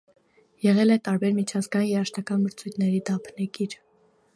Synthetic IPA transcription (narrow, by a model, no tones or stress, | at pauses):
jɛʁɛlɛt̪ɑɾbɛɾmit͡ʃʰɑzɡɑjinjɛɾɑʃt̪ɑkɑnməɾt͡sʰujt̪ʰnɛɾid̪ɑpʰnɛkiɾ